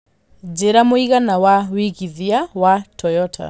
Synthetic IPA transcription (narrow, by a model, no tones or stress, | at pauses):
d͡ʒeɾamoiɣanawawiɣiðiawatʰɔjɔtʰa̰